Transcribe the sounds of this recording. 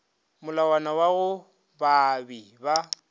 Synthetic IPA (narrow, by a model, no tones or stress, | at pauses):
mʊlawanawaɣʊ | babiba